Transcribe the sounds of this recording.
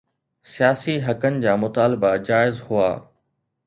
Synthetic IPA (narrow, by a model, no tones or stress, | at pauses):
sijaːsiɦɐkənɪ̆d͡ʑaːmʊt̪aːlɪbad͡ʑaːɪzhʊa̰ː